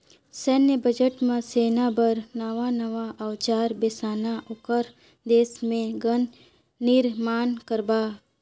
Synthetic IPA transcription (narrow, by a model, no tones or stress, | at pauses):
sɛnəbəd͡ʒəʈmãseːnabəɾnɐʋanɐʋaʔɐʋt͡ʃaːɾbeːsaːnaʔʊkəɾ | d̪eːsmẽɡənː | ɪɾmaːnkəɾbaː